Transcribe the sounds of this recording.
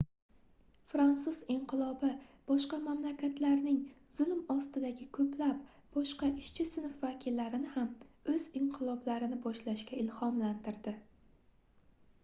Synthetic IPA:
fɾansʊzɪɴqʰɨlˠɒbɪb̥ɒʃqɑmamlakʲʰat̪ʰlaɾnɪŋ | z̥ʊlˠmɒst̪ɪd̪aɡʲɪkʰɵplap̚ | b̥ɒʃqɑʔɪʃt͡ʃʰɪsɪnʊfvakʲʰɪlːaɾɪnɪhamɵz̥ɪɴqʰɨlˠɒblaɾɪnɪbɒʃlaʃkʲaɪlhɒmlant̪ɪɾd̪ɪ

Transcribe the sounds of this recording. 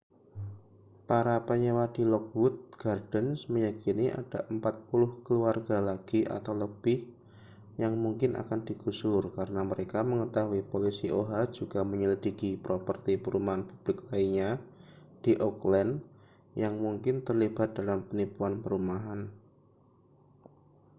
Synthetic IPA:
paɾapəɲewadilɔk̚wut̪̚ɡ̥ard̥ənsməjakiniʔa̰d̥aʔəmpat̪̚pulʊhkəluarɡalaɡ̥iʔa̰t̪awləb̥ɪh | jaŋmuŋkɪnʔa̰kand̥iɡ̥usʊrkaɾənaməɾekaməŋət̪aɦuipolisiʔoɦḁd͡ʒuɡ̥aməɲəlidikipɾopərt̪ipəɾumaɦanpub̥lɪklaiɲa | d̥iʔɔklɛn | jaŋmuŋkɪnt̪ərlib̥at̪̚d̥alampənipuanpəɾumaɦan

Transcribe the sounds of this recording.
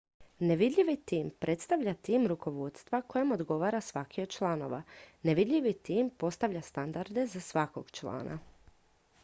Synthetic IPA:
neʋid̪ʎiʋit̪iːmpɾʔe̞t̪st̪aʋʎat̪iːmɾuko̞ʋod̪st̪ʋako̞jemod̪ɡo̞ʋaːɾasʋakiod̪t͡ʃlˠano̞̰ʋaneʋid̪ʎʲiʋit̪iːmpo̞st̪aʋʎast̪and̪aɾd̪e̞zasʋakoɡ̥t͡ʃla̰ːna̰

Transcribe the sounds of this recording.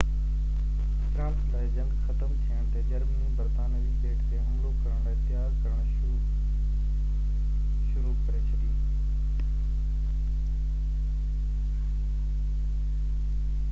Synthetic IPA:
fɾãːnslaːɪd͡ʑə̃ŋɡxət̪əmt̪ʰijəɽ̃t̪ed͡ʑəɾmĩbəɾt̪aːnəd͡ʑiːpeːʈʰt̪ʰemːlokəɾəɽ̃aːt̪ɪjaːɾkəɾəɽ̃ | ʃʊɾukəɾet͡ɕʰəd̪iː

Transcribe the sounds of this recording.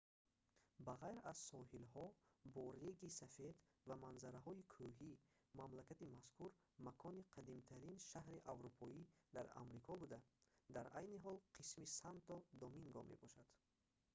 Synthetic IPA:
baʁajɾaz̥sɔɦilhɔbɔɾeɡisafe̞d̪ | vamanzaɾaɦɔikʰuɦi | mamlakat̪imaskʰuɾ | makʰɔniqʰad̪imt̪ʰaɾinʃahɾiʔavɾupʰɔid̪aɾa̰mɾikʰɔbud̪ad̪aɾajniɦɔlqʰismisant̪ɔd̪ɔmiŋɡɔme̞̰bɔʃad̪̥

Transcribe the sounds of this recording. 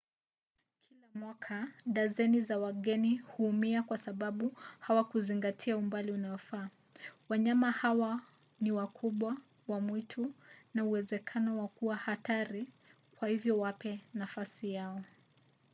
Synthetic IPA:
kʰilamwakʰaɗazɛnizawaɠɛnihuːmiakwasaɓaɓuhawakuziŋɡatʰiaumbaliunajɔfaː | waɲamahawa | niwakʰuɓwa | wamwitʰunauwɛzɛkʰanɔwakuwahataɾi | kwahivjɔwapɛnafasijaɔ

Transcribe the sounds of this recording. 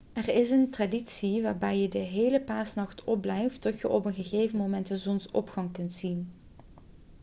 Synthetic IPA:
ɛrɪsəntraditsiʋaːɹbɛjjədəɦeːjləpaːsnɑxtɔb̚lɛjftːɔtjəʔɔpənɣəɣejvənmomɛntəzɔnsɔ̰pχɑŋkɵntsin

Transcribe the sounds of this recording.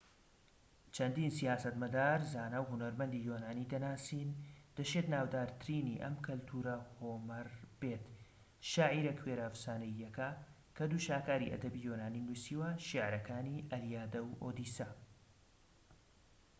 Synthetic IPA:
t͡ʃʰɐnd̪iːnsijaːsɐt̪mɐd̪aːɾzaːnawɦʊnɐɾmɐnd̪ijoːnaːniːd̪ɐnaːsiːnd̪̥ɐt͡ʃet̪naːwd̪aːɾt̪ʰɨɾiːniʔɐ̰mkʰɐlt̪ʰuːɾɐhomɐɾb̥eːt̪ | ʃaːʕiɾɐkʰweːɾaːfsaːnɐjːɐkɐ | kʰɐd̪uːʃaːkaːɾiʔɐ̰d̪ɐbijoːnaːniːnusiːwɐʃiʕɾɐkʰaːniʔɐlijaːd̪ɐwʔo̰ːd̪iːsɐ

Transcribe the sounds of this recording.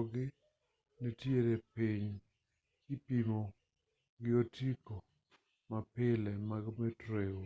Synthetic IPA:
ɡɪ | netjeɾepiɲ | ɪpimo | ɡɪotʰiko | mapɪlɛmaɡmetɾeo

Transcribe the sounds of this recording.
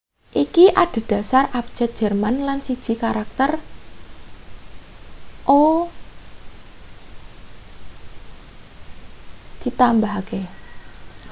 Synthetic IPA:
ʔikiʔaɖ̥e̤d̥ä̤sarap̚d̥ʒ̥ɛt̪̚ʒ̥ɛ̤rmanlansid̥ʒ̥i̤kaɾak̚t̪ər | ʔo | d̥it̪ambaɦke

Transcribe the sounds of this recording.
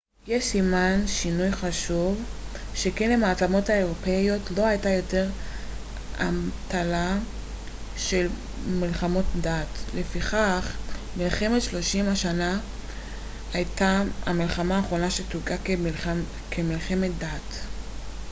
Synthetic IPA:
jeʃsimanʃinujχaʃuv | ʃe̞kenlemaːtamo̞thaeʁo̞pejo̞tlo̞hajtajo̞te̞ʁ | a̰mtala | ʃe̞l | milχamo̞tdatle̞fiχaχ | milχe̞metʃlo̞ʃimhaʃana | ajtaamilχamaːχʁo̞naʃetuɡakl | kʰemilχe̞met̚dat

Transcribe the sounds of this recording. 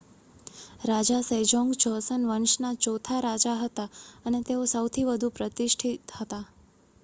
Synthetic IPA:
ɾad͡ʒasəjd͡ʒɔŋɡd͡ʒɔsənʋəɳʃnat͡ʃot̪ʰaɾad͡ʒaɦət̪aənet̪eosəwt̪ʰiʋəd̪ʱupɾət̪ɪʃʈʰit̪hət̪a

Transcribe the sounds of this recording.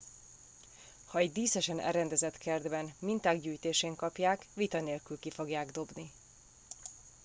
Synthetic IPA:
hɒɛɟd̪iːsɛʃɛnɛ̰ɾɛnd̪ɛzɛt̪kʰɛrd̪bɛnmint̪aːɡɟyːjt̪eːʃeːŋkɒpjaːkʋit̪ɒneːlkylkifo̞ɡjaːɡd̪o̞bni

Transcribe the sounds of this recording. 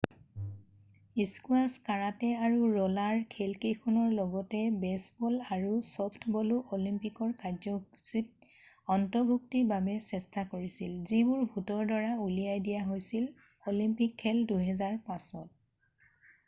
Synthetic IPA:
iskuaskaɹatɛaɹuɹɔlaɹkʰɛlkejkʰɔnɔɹlɔɡɔtɛbɛsbɔlaɹusɔpʰtʰbɔluʔolimpikɔɹkaɹzɔsit̚ | ɔntɔbʱuk̚tibabɛsɛstakoɹisilzibʊɹbʱutɔɹdɔɹaulijajdijaɦojsil | olimpikʰːɛlduɦɛzaɹpãsɔt̚

